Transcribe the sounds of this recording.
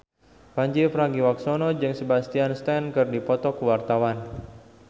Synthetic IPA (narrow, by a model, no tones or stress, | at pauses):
paɲd͡ʒipəɾaɡiwaksonɔd͡ʒɨŋsəbast̪ianst̪ɛnkɨrdipɔt̪ɔkəwart̪awan